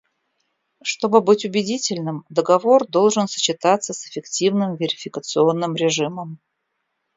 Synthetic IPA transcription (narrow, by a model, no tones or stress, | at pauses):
ʂt̪o̞bɨbɨtʲʊbʲɪdʲitʲɪlʲnɨmd̪əɡɐvo̞rd̪o̞lˠʐɨnsə̥t͡ɕɪt̪at̪səsɪ̥fʲɪktʲivnɨmvʲɪɾʲɪfʲɪkət̪sɨo̞nːɨmɾʲɪʐɨməm